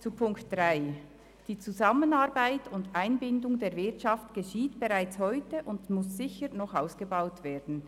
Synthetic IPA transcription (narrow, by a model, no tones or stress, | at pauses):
t͡supʰʊŋktd̥ʁaɪ | d̥iːt͡suzɑmənɑʁbaɪtʊndaɪnbɪndʊŋdeːɐvɪtʃɑftɡ̥əʃiːtb̥eʁaɪt͡shɔʏtəʔʊndmʊsz̥ɪçəɾnɔχaʊsɡ̥əbaʊtv̥eːdn̩